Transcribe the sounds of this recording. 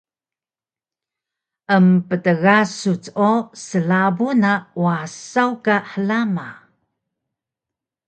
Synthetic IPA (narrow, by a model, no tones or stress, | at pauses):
ʔəmpətəɣasut͡sosəlabunawasawkaħəlama